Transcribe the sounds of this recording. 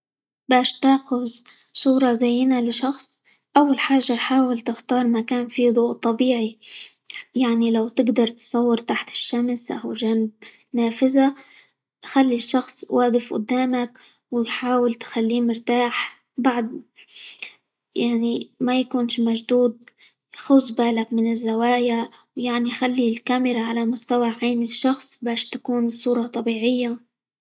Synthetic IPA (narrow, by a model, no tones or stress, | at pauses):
baːʃt̪aːxʊz | sˤuːɾˤɑzajːɪnalɪʃɑxsˤ | ʔawːalħaːʒːajħaːwɪlt̪ɪxt̪ɑːɾˤmakaːnfiːd̪ˤuːʔt̪ˤːɑbiːʕi | jaʕnilawt̪ɪɡd̪ɑɾˤt̪sˤɑwːɪɾt̪aħt̪ɪ̥ʃːamsʔa̰wʒaːnɪb̚ | naːfɪza | xalːiʃːɑxsˤwaːɡɪfʔʊ̰d̪ːaːmak | wɪjħaːwɪlt̪xalːiːmɪɾt̪aːħ | baʕd̪ | jaʕnimajakuːnʃmaʒd̪uːd̪̚ | xʊsˤbaːlakmɪnɪzːawaːjawjaʕnixalːilkamɪɾaʕalamʊst̪awaʕaːnɪʃːɑxsˤbaːʃt̪akuːnsˤːuːɾˤɑt̪ˤɑbiːʕɪjːa